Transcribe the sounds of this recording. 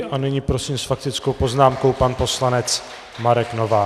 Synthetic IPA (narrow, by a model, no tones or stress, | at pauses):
ʔanɛɲiːpɾo̞siːmsfak̚t̪ɪt͡sko̞wpo̞znaːmko̞wpanpo̞slanɛt͡s | maɾɛknovaː